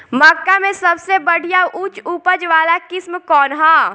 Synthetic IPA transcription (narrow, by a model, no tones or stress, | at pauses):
mɐkːamẽsɐbsebɐɽ̤ʱijaʔʊt͡ʃuːpəd͡ʒʋaːlakɪsmkɔːnɦaː